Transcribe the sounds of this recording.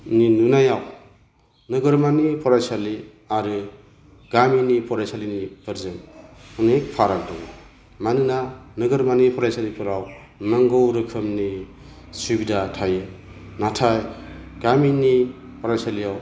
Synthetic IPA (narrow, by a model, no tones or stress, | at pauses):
ninunajaw | nɯɡɯɾmanipʰɔɾajsali | aɾɯ | ɡ̥aminipʰɔɾajsalinipɯɾzɯŋɯnek̚pʰaɾak̚dɔw | manɯnanɯɡɯɾmanipʰɔɾajsalipʰɯɾaw | naŋɡɔwɾɯkʰɯmni | subidatʰajɯ | natʰajɡ̥amini | pʰɔɾajsalijaw